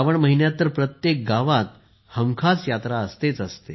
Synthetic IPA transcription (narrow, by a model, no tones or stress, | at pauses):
ʋəɳməɦinjat̪ːəɾpɾət̪jek̚ɡaʋat̪ | həŋkʰat͡sjat̪ɾaəst̪et͡səst̪e